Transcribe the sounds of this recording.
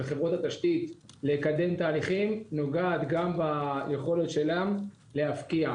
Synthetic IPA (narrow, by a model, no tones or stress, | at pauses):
eχevʁot̪hat̪aʃt̪it̪lekad̪e̞mt̪aːliχimno̞ɡaːt̪ɡambajeχo̞let̪ʃe̞lam | le̞hafkia